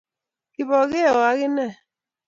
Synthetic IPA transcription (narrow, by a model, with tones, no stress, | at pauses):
ki˨bɔ˨ɣe˦˨wa˨˦ɣɪ˦nɛ˦˨